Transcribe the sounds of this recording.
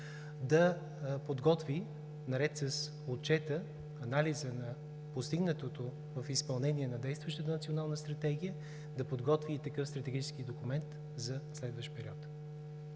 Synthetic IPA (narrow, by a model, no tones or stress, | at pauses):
d̪ɐ | pod̪ɡɔt̪vi | nɐɾɛt̪sɐs | ot̪̚t͡ʃɛt̪ə | ɐnalizənɐ | post̪iɡnət̪ot̪o | vɐfispɐlˠnɛniɛnɐd̪ɛjst̪vəʃt̪ət̪ənɐt̪sionalˠnəst̪ɾɐt̪ɛɡijə | d̪ɐpod̪ɡɔt̪vit̪ɐkɤfst̪ɾɐt̪ɛɡit͡ʃɛskid̪okumɛnt̪ | zɐslɛd̪vəʃt̪pɛɾiɔt̪